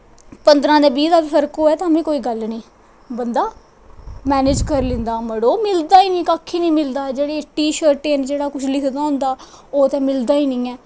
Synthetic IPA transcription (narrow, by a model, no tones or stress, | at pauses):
pənd̪ɾãːd̪eːbiːd̪aːbsəɾkoːɛːt̪ːəmẽːkoːiːɡəlnĩː | bənd̪aː | mɛːnɪːd͡ʒkəɾlɪ̃nd̪aːməɽoːmɪld̪aːiːnĩːkaːkʰiːnĩːmɪld̪aːd͡ʒeːɽeːʈiːʃəɾeːnd͡ʒeːɽaːkʊt͡ʃʰlɪkʰd̪aːɦʊ̃ːnd̪aː | oːt̪ɛ̃ːmɪld̪aːiːnĩːɛː